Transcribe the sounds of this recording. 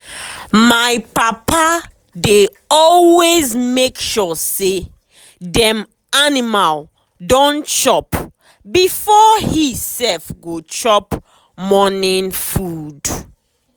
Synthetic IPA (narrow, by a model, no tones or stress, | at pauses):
majpapa | de | ɔlwezmekʃɔse | dɛ̃m | animal | dɔ̃nt͡ʃɔp | bifɔhisɛfɡot͡ʃɔp | mɔnĩnfud